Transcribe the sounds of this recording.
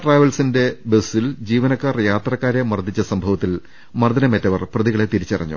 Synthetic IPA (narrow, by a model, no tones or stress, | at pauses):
ʈraːjʋɐlsinde̞besːild͡ʑiːʋɐnɐkːaːrjaːt̪rɐkːaːɾemɐrd̪ʱit͡ɕːɐsɐmbʱɐʋɐt̪ːil | mɐrd̪ɐnɐmetːɐʋɐrprɐðiɣɐɭet̪iɾit͡ɕːɐrɐ̰ɲːṵ